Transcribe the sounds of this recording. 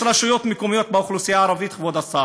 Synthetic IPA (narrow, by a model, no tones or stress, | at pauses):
ɾaʃujo̞t̪mekumijo̞t̪̚beuχlusijaːɾavit̪χvod̪asa